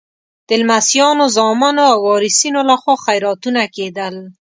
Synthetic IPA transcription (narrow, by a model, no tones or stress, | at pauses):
d̪̥ɪlmasjɑnozɑmɑnoawɑɾɪsinolaxwɑxajɾɑt̪unaked̪əl